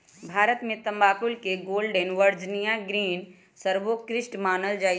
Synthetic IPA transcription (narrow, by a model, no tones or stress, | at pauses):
bʱaːɾət̪mẽt̪ɐ̃mbaːkʊlkeɡoːlɖenʋəɾd͡ʒnijãɡɾiːn | səɾʋokɾɪsʈmaːnəld͡ʒaː